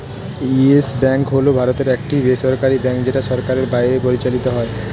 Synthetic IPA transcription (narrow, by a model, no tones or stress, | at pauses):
iesbɛŋkɦolobʱaɾot̪eɾɛk̚ʈibeʃɔɾkaɾibɛŋkd͡ʑeʈaʃɔɾkaɾeɾbajɾepoɾit͡ɕalit̪oɦɔe